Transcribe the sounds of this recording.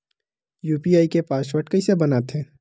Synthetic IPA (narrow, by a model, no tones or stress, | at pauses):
juːpiaːikepaːsʋəʈkəisebɐnaːt̪ɦɛ̃ː